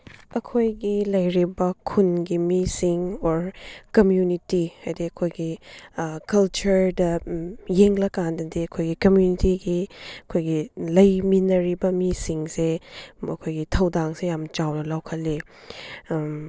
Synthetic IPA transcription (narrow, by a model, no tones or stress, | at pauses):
ɐkʰojɡilɐjɾibɐkʰunɡimisiŋoɾkɐmjunitihajdiɐkʰojɡi | kɐlt͡ʃɐɾdɐjeŋlɐkandɐdiɐkʰojɡikɐmjunitiɡiɐkʰojɡilɐjminɐɾibɐmisiŋseɐ̰kʰojɡitʰɐwdaŋsejamt͡ʃawnɐlawkʰɐli